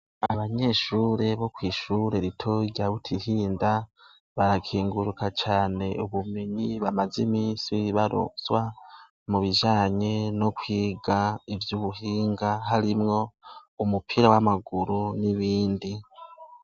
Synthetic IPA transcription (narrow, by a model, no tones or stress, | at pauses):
aβaɲe̞ʃuːɾe̞βo̞kwiːʃuɾe̞ɾitʰo̞ɟaβutʰihiːnda | βaɾakʰiːŋɡuɾukat͡ʃaːne̞uβumiɲiβamazimiːsiiβaɾo̰zwa | muβiʒaːɲeno̞kwiːɡaivjuβuhiːŋɡaɦaɾimŋo̞umupʰiɾawamaɡuɾuniβiːndi